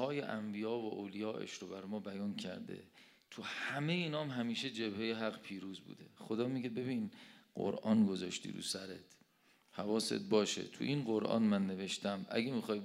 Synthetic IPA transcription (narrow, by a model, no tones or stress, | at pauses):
ɒːjḛʔæmbijɒːvoʔoːwlijɒːʔḛʃɾobæɾmɒːbæjɒːncʰæ̰ɾd̪e̞̰ | t̪ʰuhæmejeːnɒːmɦæmiːʃed͡ʒe̞bhejeɦæɢpʰiːɾuːzbṵːd̪e̞χod̪ɒːmiɡebe̞biːnɢ̥o̰ɾʔɒːnɡozɒːʃt̪ḭːɾṵsæɾet̪ʰ | hævɒːsḛt̪̚bɒːʃḛt̪ʰṵʔinɢo̞ɾʔɒ̰ːnmænːe̞ve̞ʃt̪æmʔæ̰ɡemixɒːj